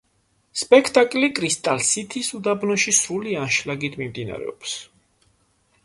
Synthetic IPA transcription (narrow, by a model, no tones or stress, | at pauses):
spʼɛkʰt̪ʼakʼlikʼɾist̪ʼalsit̪ʰisud̪abnɔʃisulianʃlaɡit̪ʰmimd̪ina̰ɾɛ̰ɔps